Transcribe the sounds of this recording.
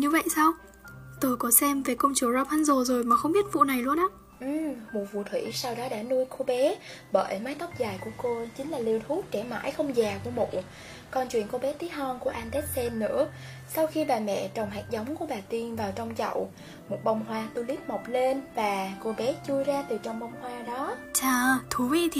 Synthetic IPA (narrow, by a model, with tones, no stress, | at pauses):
ɲɨ˧və̰˧˨jsaː˧w | t̪o˧jkɔ˨˦sɛ˧mve˨˩kə˧wŋ͡mt͡ɕu˨˧˩əzɔ˧˥p̚ha˧nzo˨˩zo˨˩jmaː˨˩xə˧wŋ͡mɓi˦˥ət̚vṵ˧˨na˨˩jlu˧ənʔa˨˦ | ʔɨ˧˩mmu˨˩vṵ˧˩t̪ʰwḭ˧˩saː˧wɗɔ˨˦ɗa̰ː˧˥nu˧əjko˧ɓe˨˦ɓəː˧˩jmaː˨˦jt̪ɔ˦˥wk͡p̚zaː˨˩jku˧˩əko˧t͡ɕï˨˦ŋ̟laː˨˩li˧əwt̪ʰu˦˥t̚t͡ɕɛ˧˩ma̰ː˧˥jxə˧wŋ͡mzaː˨˩ku˧˩əmṵ˧˨ | kɔ˧nt͡ɕwḭ˧˨ənko˧ɓɛ˨˦t̪i˨˦ɦɔ˧nku˧˩əʔaː˧nt̪ɛ˦˥t̚sɛ˧nːɨ̰˧˥ə | sa˧wxi˧ɓaː˨˩mɛ̰˧˨t͡ɕɔ˨˩wŋ͡mɦa̰ː˨˩k̚za˨˦wŋ͡mku˧˩əɓaː˨˩t̪i˧nvaː˨˩wt͡ɕɔ˧wŋ͡mzə̰˧˨w | mo˨˩t̚ɓa˧wŋ͡mhwaː˧t̪u˧li˦˥t̚mɔ˨˩wk͡p̚le˧nvaː˨˩ko˧ɓɛ˨˦t͡ɕu˧jzaː˧t̪ɨ˨˩t͡ɕɔ˧wŋ͡mɓa˧wŋ͡mhwaː˧ɗɔ˨˦t͡ɕaː˧˩t̪ʰu˨˦vḭ˧˥t̪ʰi˨˩